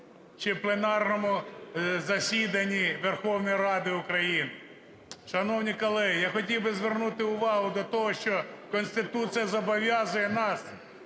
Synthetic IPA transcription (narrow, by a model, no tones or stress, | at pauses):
t͡ʃɪplˠenɑrnɔmʊzɐsʲid̪ɐnʲiʋerxɔwnɔjɾɑd̪ɪʊkɾɐjinɪ | ʃɐnɔwnʲikɔlˠɛjɑxɔtʲiwbɪzʋernut̪ɪʊʋɑɦʊd̪ɔt̪ɔɦɔʃt͡ʃɔkɔnʲsʲt̪ɪt̪usɨjɐzɔbɔʋʲjɑzʊjɛnɑs